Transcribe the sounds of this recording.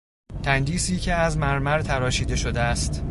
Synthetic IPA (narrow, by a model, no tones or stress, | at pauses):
t̪ʰænd̪iːsiːcʰe̞æzmæɾmæɾt̪ʰæɾɒːʃiːd̪e̞ʃo̞d̪eæst̪